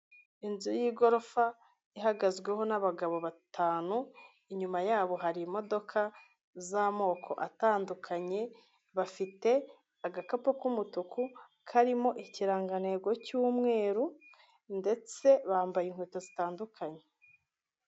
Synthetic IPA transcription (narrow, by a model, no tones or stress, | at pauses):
inzujiːɡo̞ɾo̞fa | iɦaɡazɡwe̞ɦo̞naβaɡaβo̞βatʰaːnu | iɲumajaːβo̞ɦaɾimo̞do̞kʰa | zamo̞ːkʰo̞̰ʔataːndukʰaɲe̞ | βafite̞ | aɡakapokumutuku | kʰaɾimo̞ʔiciɾaːŋɡane̞ɡo̞cuːmŋe̞ːɾu | nde̞t͡se̞βaːmbajiŋ̥hwetozitaːndukʰaɲe̥